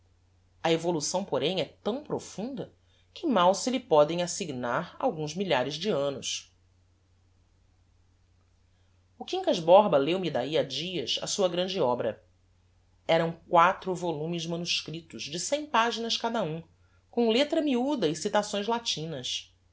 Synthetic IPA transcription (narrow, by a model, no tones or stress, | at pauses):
ɐevolusɐ̃w̃poɾẽj̃ɛt̪ɐ̃w̃pɾofũnd̪ɐ | kɪmawsɪlɪpɔd̪ẽj̃asiɡnaɾa̰wɡũzmiʎaɾɪzd͡ʒɪɐ̃nʊs | ʊkĩŋkɐzbɔɾbɐlewmid̪aiad͡ʒiɐsɐ̰suɐɡɾɐ̃nd͡ʒɪɔbɾɐ | ɛɾɐ̃w̃kwat̪ɾʊvolũmɪzmɐ̃nuʃkɾit̪ʊʒd͡ʒɪsẽj̃paʒinɐʃkad̪ɐũ | kõw̃let̪ɾɐmiud̪ɐɪsit̪asõj̃zlat͡ʃĩnɐs